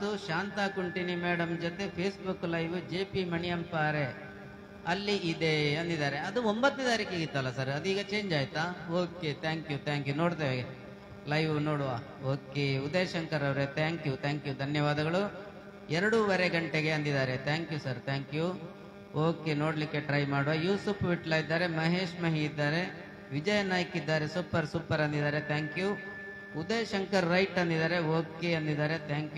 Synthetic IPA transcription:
uʃaːnt̪aːkuɳʈinumeːɽɐmd͡ʒot̪e̞pʰeːsbukːlɐjʋd͡ʒeːpimɐnijɐmpaːɾe̞ | ɐlːiʔid̪eɐnd̪id̪aːɾe̞ɐd̪uombɐt̪ːned̪aːɾikeːɡit̪ːɐlːɐsɐɾɐd̪iːɡɐt͡ʃe̞ːɲd͡ʒaːjt̪aoːket̪ʰaːŋkjut̪ʰaːŋkjuno̞ːɽt̪ɐːʋe | lɐjʋno̞ːɽuʋaː | oːkeud̪ɐjɐʃɐŋkɐɾɐʋɾet̪ʰaːŋkjut̪ʰaːŋkjud̪ʱɐnjɐʋaːd̪ɐɡɐɭu | ɛɾɐɽuʋɐɾeɡɐɳʈeɡe̞ɐnd̪id̪aːɾe̞t̪ʰaːŋkjusɐɾt̪ʰaːŋkju | oːkeno̞ːɽɐlikːe̞ʈɾɐjmaːɽuʋajuːsupʰʋiʈlaːjid̪ːaːɾe̞mɐɦeːʂmɐɦiːd̪ːaːɾe̞ | ʋid͡ʒɐjɐnaːjkid̪ːaːɾesupːɐɾsupːɐɾɐnd̪id̪aːɾe̞t̪ʰaːŋkju | ud̪ɐjɐʃɐŋkɐɾːɐjʈɐnd̪id̪aːɾe̞oːkeɐnd̪id̪aːɾet̪ʰaːŋkju

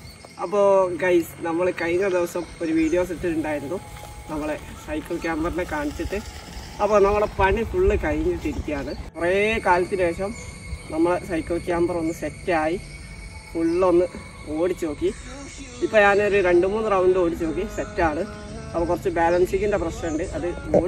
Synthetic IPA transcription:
ɐpːoːɡɐjsɨnɐmːɐɭkɐjŋːɐɭed̪iʋɐsɐmoɾuʋiːdijo̞ːs̬etːiluɳɖaːjiɾunːu | nɐmːɐɭe | sɐjkːɐlkːaːmbɐrnekaːɳit͡ɕːɐʈːɨ | ɐpːoːnɐmːɐɭɽepɐɳifuɭːɨkɐjŋːilt̪iɾikʲːijaːɳɨpureːkaːlɐt̪ːinmeːɕɐm | nɐmːɐɭesɐjkːɐlkaːmbɐro̞nːɨsetːaːji | fuɭːo̞nːɨ | o̞ːɽit͡ɕːunoːkːi | ipːoːɲaːnoɾuɾe̞ɳɖumuːnːɨrɐwuɳɖɨo̞ːɽit͡ɕːɨnoːk̬ːisetːaːɳɨ | ɐpːɐkurɐt͡ɕːɨbaːlɐnsikʲːundɐprɐɕnɐuɳɖɨʔɐðɨ

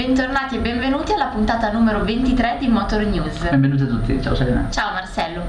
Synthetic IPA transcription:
bɛnt̪ornaːt̪iebːeɱvenuːt̪ialːapunt̪aːt̪anuːmeɾovent̪it̪ɾɛd̪imɔt̪ornjuːzbɛɱvenut̪iat̪ːut̪ːḭt͡ʃa̰ːoseleːnḛt͡ʃaːomarsɛlːo

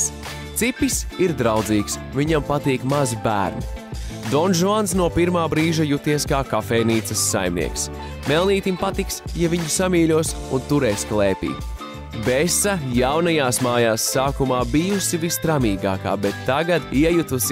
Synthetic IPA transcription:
t̪sipisiɾd̪ɾawd̪ziːksviɲampat̪iːkmazbæ̰ːɾnud̪ɔnʒuansnuɔpiɾmaːbɾiːʒajut̪iɛskaːkafɛːjniːt̪sɐsːa̰jmnḭɛks | melˠniːt̪impat̪iksjaviɲusamiːlʲuɔsṵnt̪uɾɛːsklˠɛːpḭː | bɛsajawnajaːsmaːjaːsːaːkumaːbijusivist̪ɾamiːɡa̰ːka̰ːbet̪ːaɡad̪iɛjut̪us

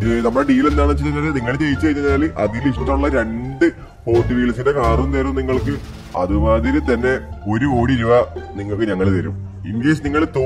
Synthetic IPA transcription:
nɐmːɐɽeɖiːilend̪aːɳɨt͡ɕet̪ːɐleniŋːɐɭt͡ɕe̞jit͡ɕːɐjt͡ɕːɐaːlʔɐðiliʂʈːɐuɭːɐɾe̞ɳɖɨ | po̞ːrtːɨʋiːɭɐsinde̞kaːrunt̪eːɾumniŋːɐɭkɨ | ɐ̰ðɨmaːðiɾɨt̪ɐnːe̞o̞ɾuo̞ːɽiɾuʋɐniŋːɐɭkːɨɲɐŋːɐɭt̪ɐɾum | imɡeːsniŋːɐɭt̪oː

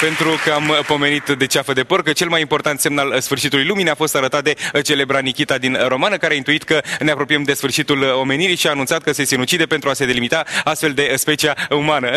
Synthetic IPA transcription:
pe̞nt̪ɾukəampo̞me̞nit̪d̪e̞t͡ʃafəd̪e̞porkət͡ʃe̞lmajimpo̞rt̪ant̪se̞mnalsfɨrʃit̪ulujlumineafo̞st̪aɾət̪at̪̚d̪e̞t͡ʃe̞le̞bɾanikʲit̪ad̪inɾo̞manəkaɾeaint̪uit̪kəneapɾo̞pijemd̪e̞sfɨrʃit̪ulo̞me̞niɾijʃiaːnunsat̪̚kəse̞sinut͡ʃid̪epe̞nt̪ɾuase̞d̪e̞limit̪aast̪fe̞ld̪e̞spe̞t͡ʃiaumanə

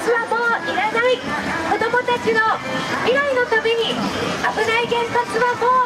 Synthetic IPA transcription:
t͡sɨβamo̞ːiɾanaiko̞d̪o̞mo̞t̪at͡ɕino̞miɾaino̞t̪abʲiɲ̟iabɯ̟naiɡẽ̞mpat͡sɨβamoː

